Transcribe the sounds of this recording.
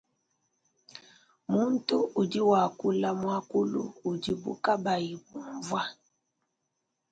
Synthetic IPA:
mu˦n˦tu˦u˨di˦wa˨ku˦la˦mwa˦ku˦lṵː˦˨di˨bṵ˦ka˦ba˨ji˨bu˨ɱvwa˦

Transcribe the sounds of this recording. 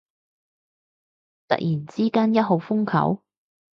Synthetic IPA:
t̪ɐ̰˨k̚jiː˨˩nt͡siː˥kaː˥njɐ˥t̚ɦo˨˧wfʊ˥ŋkʰɐ̰˨˥w

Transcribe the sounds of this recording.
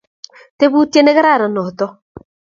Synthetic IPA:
te˦βu˦tje˦ne˦ɣɪ˦ɾa˦˨ɾa˨nɔ˨t̪ɔ˦

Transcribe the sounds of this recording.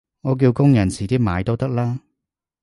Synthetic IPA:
ŋɔː˨˧k̬iː˧wkʊ˥ŋjɐ˨˩nsʰiː˨˩t̪iː˥maː˨˧jt̪o˥t̪ɐ˥k̚laː˥

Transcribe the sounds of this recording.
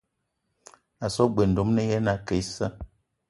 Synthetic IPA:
a˨sɔ˦ɡ͡be˨n̩˨do˨˦mnɛ˦jɛ˦na˨ke˨˦i˦sə˦

